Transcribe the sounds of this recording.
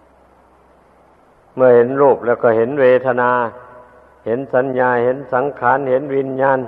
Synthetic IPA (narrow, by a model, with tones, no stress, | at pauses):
mɯ˧˩ɐhe˨˦nɾoː˧˩p̚lɛː˧˩˨wkɔː˧˩he˨˩˦nweː˧t̪ʰa˧naː˧ | he˨˦nsa˨˦nɲaː˧he˨˦nsa˨˦ŋkʰaː˨˦˥nhe˨˦nwi˧nɲaː˧˨n